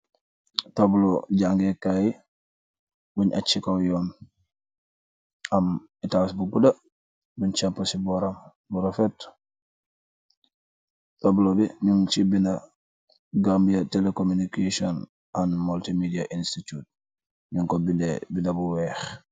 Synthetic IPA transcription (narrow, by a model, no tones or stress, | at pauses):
tobloɟaŋɡekaji | buɲʔat͡ʃːikawjoːn | am | itawsbuɡuda | buɲt͡ʃampːosiboɾam | buɾofet | toblobiɲuŋt͡ʃibina | ɡambjatelekomunikesion | anmultimidiaʔinstitut̚ | ɲuŋkobinebinabuwɛːx